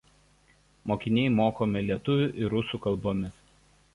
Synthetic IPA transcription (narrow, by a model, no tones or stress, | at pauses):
moːkʲɪnʲɛɪmoːkoːmʲɪlʲiɛt̪ʊʋʲʊʔɪɾʊsuːkɐlˠboːmʲɪs